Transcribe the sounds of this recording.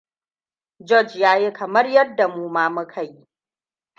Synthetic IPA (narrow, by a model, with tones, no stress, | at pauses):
d͡ʒɔ˦˨d͡ʒjaː˦ji˦kɐ˨mɐ˦rjɐ˦dːa˨muː˦maː˦mu˦kʰa˨ji˦